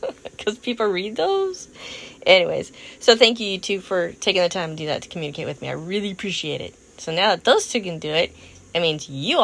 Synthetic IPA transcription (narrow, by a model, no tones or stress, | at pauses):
kʰʌz̥pʰipl̩ˠɹid̪̚ðoʊz̥ʔɛñiwḛɪz̥soʊθæ̃ŋk̬jɨjɨtʰʉfə˞tʰeɪkɪ̃ŋðɨtʰãɪ̃mdɨðɨ̰tʰə̥kʰmjʉnɨkʰeɪt̚wɨðmia̰ɪɹɪlˠiɨpʰɹ̥iʃieɪɾɪ̰t̚ | soʊnaʊðət̪̚ðoʊz̥tʰʉkɨ̃ndɨɪt̚ | ɨɪmĩnzjɨ